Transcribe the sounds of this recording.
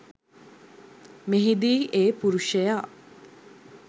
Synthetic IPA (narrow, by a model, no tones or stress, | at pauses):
meɦid̪iːʔeːpuɾuʃəjaː